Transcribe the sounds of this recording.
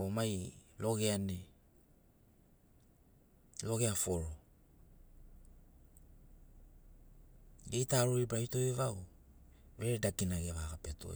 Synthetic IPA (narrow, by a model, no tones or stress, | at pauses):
omajlo̞ɡe̞ane | lo̞ɡe̞afoɾo | ɡejtaɾoɾibɾajtoevaw | veɾedakinaɡevakapeto̞̰